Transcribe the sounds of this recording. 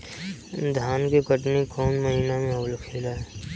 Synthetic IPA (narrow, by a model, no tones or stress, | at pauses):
d̪ʱaːnkekəʈnekɔːnməɦiːnamẽowlkʰeːlaɦɛː